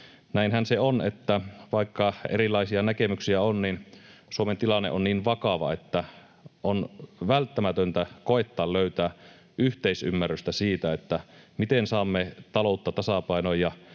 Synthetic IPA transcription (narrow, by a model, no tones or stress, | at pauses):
næinhænseonet̪ːæʋɑikːɑḛrilɑisiɑnækemyksiæonninsuoment̪ilɑnːḛʔonniːnʋɑkɑʋɑ̰et̪ːæ | ʔonʋælt̪ːæmæt̪ønt̪ækoet̪ːɑːlløyt̪æː | ʔyht̪eisy̰mːæryst̪æsiːt̪æet̪ːæmit̪ensɑːmːet̪ɑlout̪ːɑt̪ɑsɑpɑˑinojjɑ